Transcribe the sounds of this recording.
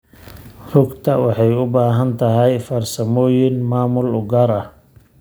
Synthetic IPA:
rʊɡt̪ʰɐwɑħɑjʊbaːɦɐnt̪ʰɐɦɛjfɐrsɐmɔːjɪnmaːmʊlʊɡɐːɾɐh

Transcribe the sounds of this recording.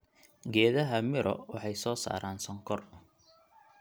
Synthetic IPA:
ɡɛːðɐɦɐmɪɾʔɔ̰wɑħɑjsɔːsa̰ːɾʔaːnsɔŋkʰɔr

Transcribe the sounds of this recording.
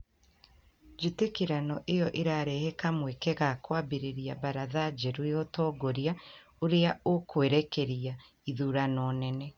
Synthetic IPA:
d͡ʒitekiɾanɔʔejɔʔeɾaɾɛhekamwekeɣakwabeɾeɾiabaɾaðad͡ʒɛɾwejɔtɔːɡoɾia | oɾeaokweɾɛkeɾia | iðuɾanɔːnɛnɛ

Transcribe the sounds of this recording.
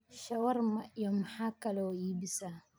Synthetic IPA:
ʃɐwɐrmɐʔjɔmaħaːkɐlɔiːbɪsaː

